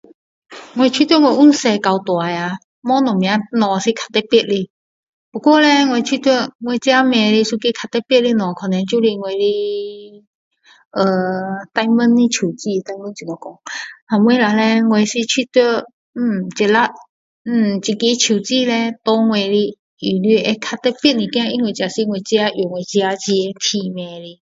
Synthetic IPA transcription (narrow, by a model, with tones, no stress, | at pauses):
ŋwe˧t͡ɕʰwi˥˧t̪wŋwe˧˩ʔu˥nse˧ka˧wt̪wa˨ja˨˧ | mɔ̃˦nɔ̃˨˩mĩ˧ã˨˧˦nɔ̃˨˧si˧kʰa˧t̪ːɛ˧˦pi˥˧˨ʔ̚li˧˨ | pɔ˨˩kwɔ˥˨lɛ˧ŋwe˧t͡ɕʰi˥˧˨t̪wi˥˧˨ŋwe˧t͡ɕa˦mɛ̃˧˩li˧su˧ki˧˦kʰa˧t̪ɛ˧pji˥˧˨ʔ̚li˧nɔ̃˨˩kʰɔ˨nã˧˦t͡ɕu˥˧li˧ŋwe˧˨li˧ | ʔə˧t̪a˧jmə˦˥nli˧t͡ɕʰu˨˩t͡ɕi˥˧t̪a˧jmə˦nt͡ɕi˨ɔ˨˧˩kɔ˧ŋha˨˩mwe˧˦la˨˧le˧ŋwe˨˧˩si˧t͡ɕʰwi˥˧t̪we˥˨ | m̩˧˩t͡ɕɛ˨˩la˦˥ | m̩˨˩t͡ɕi˧ki˧˦t͡ɕʰu˨˩t͡ɕi˥˧˨le˧t̪ɔ˧ŋwe˧˨li˧ | i˨li˧˦ʔe˧˦kʰa˧t̪ɛ˧˦pjɛ˥˨nnĩ˨˩kj̃ã˧˦i˧˦nwe˧˩t͡ɕja˨˩si˧ŋwe˧t͡ɕja˧ju˨˩ŋwe˨˩t͡ɕja˧t͡ɕi˧e˧t̪ʰi˧mɛ̃˨˧li˧˦